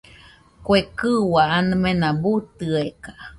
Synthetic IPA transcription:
kwekɨwaanɨmẽnãbut̪ɨeka

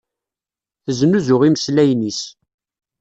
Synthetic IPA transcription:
θəznuzʊʁiməslæjnis

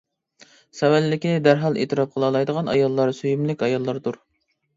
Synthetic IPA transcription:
sɛwælːɪkʲid̪æɾɦɑlˠḛːt̪ɨɾɑp̚qʰəlˠɑlˠɑjd̪əʁɑnɑ̰jɑlˠːɑɾsyjymlɪkʲɑjɑlˠːɑɾd̪uɾ

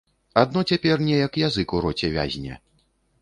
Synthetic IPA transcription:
ad̪nɔt͡sʲapʲɛrnʲɛjɐkjazɨkuɾɔt͡sʲɛvʲa̰zʲnʲɐ̰

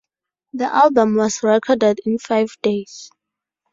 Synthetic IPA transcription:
ðiʔalbə̃mwɔsɹɛkʰɔdɛdĩnfajvdes

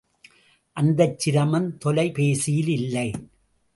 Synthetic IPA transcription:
ʔɐnd̪ɐt͡ʃːɪɾɐmɐnt̪ɔlɐɪpeːsɪjɪlɪlːɐɪ

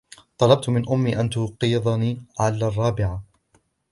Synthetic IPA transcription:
t̪ˤɑlɑb̚t̪mɪnʔʊmːiːʔant̪ʊqiːðˤɑniːʕalaːrˤːɑːbɪʕa

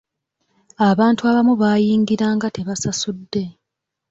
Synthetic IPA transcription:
aβaːntuaβamuβaːjiːŋɡiɾaːŋɡate̞βasasudːe̞

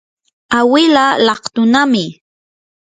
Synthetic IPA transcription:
awɪlalɑχt̪ʊnamɪ

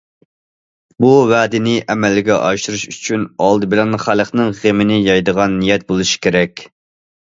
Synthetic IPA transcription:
buvæd̪ɪnɪʔɛmɛlːɪɡʲɛʔɑʃɨɾuʃyt͡ʃʰynɑlˠd̪ɨbɪlɛnχælˠəχnɨŋʁemɪnɪjɑjd̪əʁɑnːijɛt̪̚bolˠuʃi̥kʲʰeɾɛkʲ

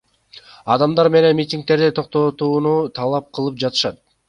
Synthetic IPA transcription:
ɑd̪ɑmd̪ɑɾme̞ne̞nmʲitʲiŋk̚t̪e̞ɾd̪it̪ʰo̞q̚t̪o̞t̪uːnut̪ʰɑlˠɑp̚qʰɯlˠɯp̚d͡ʒɑt̪ɯ̥ʃɑt̪̚

